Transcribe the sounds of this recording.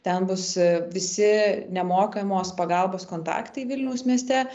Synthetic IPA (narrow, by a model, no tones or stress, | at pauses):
t̪ʲɛnbʊsʋʲɪsʲɪnʲɛmoːkɐmoːspɐɡɐlˠboːskoːnt̪ɑ̰ːkt̪ɐɪʋʲɪlʲnʲɛʊsmʲiɛsʲt̪ʲɛ